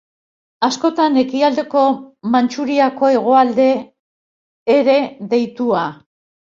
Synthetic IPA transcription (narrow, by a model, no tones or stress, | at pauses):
asko̞t̪ane̞kiald̪e̞ko̞mant͡ʃuɾiako̞e̞ɣ̞o̞ald̪e̞ | ɾe̞ðe̞jt̪ua